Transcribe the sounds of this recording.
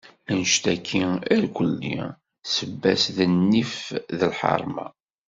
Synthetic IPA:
ənʃt̪ækʰːiæɾkʷəlːḭ | səbːæsðənːifðəlħɑ̰ɾˤmɑ̰

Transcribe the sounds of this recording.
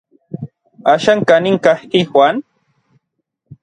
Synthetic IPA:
aʃaŋkanɪŋkahkɪxwan

